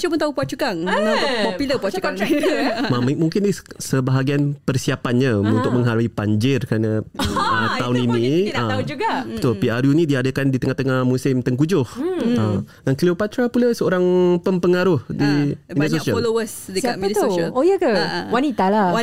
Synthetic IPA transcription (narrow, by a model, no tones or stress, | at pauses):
ʃupʊnt̪aupuat͡ʃukaŋpɔpuləpaukaŋmammuŋkɪnɪsəbaɦaɡianpərsiapanɲaunt̪ʊk̚məŋɦaɾuipaɲd͡ʒɪrkəɾanaət̪aʊninĩaaud͡ʒuɡabət̪ʊlpiaɾjunĩdiadəkandit̪əŋaht̪əŋahmusɪmt̪əŋkud͡ʒʊhəmdankliupat̪ɾapulasəoɾaŋpəmpəŋaɾʊhdiindisosiaflowəsdəsamit̪oojəkəwanit̪ala